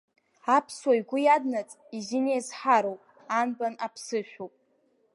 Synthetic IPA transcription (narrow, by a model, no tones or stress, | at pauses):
apʰswajɡʷʊjadnat͡sʼizinejzħaɾowpʼ | anbanapʰsɨʃᶣowpʼ